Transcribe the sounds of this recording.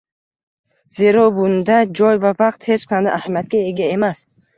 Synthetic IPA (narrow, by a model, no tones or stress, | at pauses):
z̥e̞ɾɒbʊnd̪ad͡ʒɒjvavɑq̚t̪he̞t͡ʃqʰand̪a̰ʔahamjat̪̚kʲae̞ɡʲae̞mas